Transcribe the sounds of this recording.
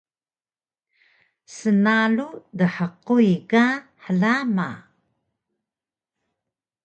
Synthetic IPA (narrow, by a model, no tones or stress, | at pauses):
sənaludəħəqujkaħəlama̰